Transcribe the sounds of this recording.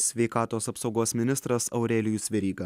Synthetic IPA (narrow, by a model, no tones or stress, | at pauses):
sʲʋʲɛɪkɑːt̪oːsɐpsɒʊɡoːsmʲɪnʲɪst̪ɾɐsɐ̰ʊɾʲɛːlʲɪjuːsʲʋʲɛɾʲiːɡɐ